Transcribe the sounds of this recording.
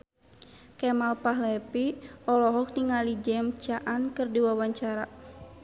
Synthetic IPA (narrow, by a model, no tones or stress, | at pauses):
kɛmalpaɦlɛpiɔlɔɦɔk̚niŋalid͡ʒɛmt͡ʃaʔankɨrdiwawaɲt͡ʃaɾa